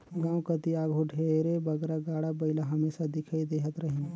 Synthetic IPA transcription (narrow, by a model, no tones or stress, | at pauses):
ɡãːwkət̪iaːɡʱuɖʱeɾebəɡɾaɡaːɽabəɪlaɦəmeːsad̪ɪkʰaid̪eɦət̪ɾəɦĩn